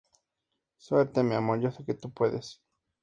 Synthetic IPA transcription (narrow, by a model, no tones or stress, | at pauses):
sweɾt̪emeamoɾʝoseket̪upwe̞ðes